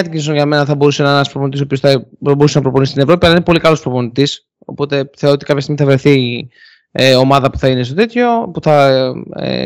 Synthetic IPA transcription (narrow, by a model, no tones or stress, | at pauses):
ɐt̪iɟinisoʝɐmenɐθɐbo̞ɾusenɐnenɐspɾopo̞nit̪isopiosθɐbousenɐpɾo̞po̞nisi̥st̪ine̞vɾo̞piɐlɐinepo̞likɐlo̞spɾo̞po̞nit̪is | o̞̰po̞t̪e̞θe̞ot̪ikɐpçɐst̪iɣmiθɐvɾe̞θi | eo̞mɐðɐpu̥θɐine̞st̪o̞t̪et̪ço̞puθɐḛ